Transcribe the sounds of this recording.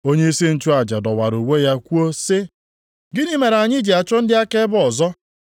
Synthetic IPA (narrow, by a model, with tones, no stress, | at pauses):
o˦ɲe˦i˦si˦n̩˦t͡ʃu˦a˨d͡ʒa˨dɔ˨wa˨ɾu˨we˦ja˦kʷu˦o˦sɪ˦ | ɡɪ˦ni˦me˨ɾa˨ɲɪ˦d͡ʒi˨a˨t͡ʃɔ˦n̩˦dɪ˦a˦ke˦bʊ˦ɔ˨zɔ˦